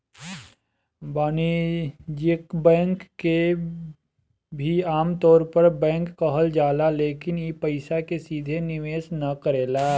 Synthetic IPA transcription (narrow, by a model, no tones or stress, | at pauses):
baːnid͡ʒɪkbɛ̃ːŋkːe | bʱiaːmt̪ɔːɾpɐɾbɛ̃ːŋkːɐɦəld͡ʒaːlaleːkɪnjepɐɪsakesiːd̪ʱenɪʋeːsnɐkəɾeːlaː